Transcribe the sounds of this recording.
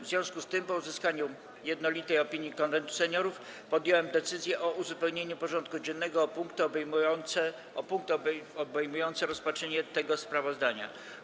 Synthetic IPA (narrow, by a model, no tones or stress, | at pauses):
vzʲjɔ̃w̃skust̪ɘmpɔuzɘskaɲu | jɛd̪nɔlʲit̪ɛjɔpʲiɲjikɔnvɛnt̪u̥sɛɲɔɾuf | pɔd̪ʲjɔwɛmd̪ɛt̪sɘzʲjɛʔɔʔuzupɛwɲeɲupɔʐɔnt̪̚kud͡ʑɛnːɛɡɔːpuŋkt̪ɔbmnɛ | ɔpuŋk̚t̪ɔbɛjmujɔnt̪sɛɾɔspatʂɛɲɛt̪ɛɡɔspɾavɔzd̪aɲa̰